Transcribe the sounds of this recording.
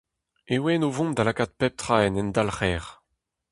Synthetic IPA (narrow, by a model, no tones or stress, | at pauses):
ewɛnovɔ̃md̪alakat̪̚pɛp̚t̪χaɛnɛnd̪alχɛːʁ